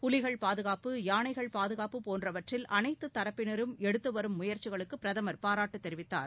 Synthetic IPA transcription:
pʊlɪɣɐɭpaːðɯɣaːpɯjaːnɐɪɣɐɭpaːðɯɣaːpːɯpoːndrɐʋɐʈrɪlʔɐnɐɪt̪ːɯt̪ːɐɾɐpːɪnɐɾɯmɛɽɯt̪ːɯʋɐɾɯmːʊjɐɾt͡ʃɪɣɐɭɯkːɯpːɪɾɐðɐmɐɾpaːɾaːʈːɯt̪ːɛɾɪʋɪt̪ːa̰ːɾ

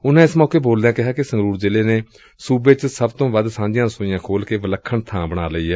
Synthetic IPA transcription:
ʊnãːɪsmɔːkeːboːld̪ɛ̃ːkɪɦaːkɪsə̃ŋɡɾuːɾd͡ʒɪleːneː | suːbeːt͡ʃsəbt̪õːʋəd̪sãːd͡ʒɪjãːsoːijãːkʰoːlkeːʋələkʰːəɳt̪ʰãːbəɽ̃aːləiːɦɛː

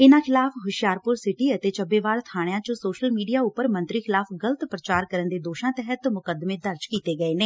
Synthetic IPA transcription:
ɪnãːkʰɪlaːfɦʊʃjaːɾpʊɾsɪʈiːət̪eːt͡ʃəbeːʋaːɾt̪ʰaːɽɪjãːt͡ʃõsoːʃəlmiːɖijaːʊpəɾmə̃nt̪ɾiːkʰɪlaːfʰɡələt̪pɾət͡ʃaːɾkəɾənd̪eːd̪oːʃãːt̪ɛɦət̪mʊkəd̪mẽːd̪əɾd͡ʒkiːt̪eːɡəeːneː

